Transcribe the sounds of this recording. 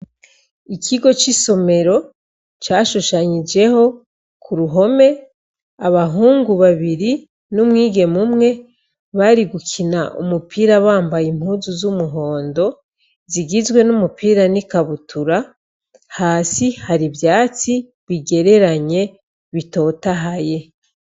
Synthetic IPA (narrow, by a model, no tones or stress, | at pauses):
ikʰiɡo̞t͡ʃiso̞me̞ɾo̞ | t͡ʃaːʃuʃaɲid͡ʒe̞ho̞ | kʰuɾuɦo̞me̞ | aβaɦuːŋɡuβaβiɾi | numŋiːɡe̞mumŋe̞ | βaɾiɡukʰinaʔṵmupʰiːɾaβaːmbajim̥huːzuzumuɦo̞ːndo̞ | ziɡizwe̞numupʰiːɾanikaβutʰuɾa | haːsihaɾibjaːt͡si | βiɡe̞ɾe̞ɾaɲe̞ | βito̞ːtaɦaje̞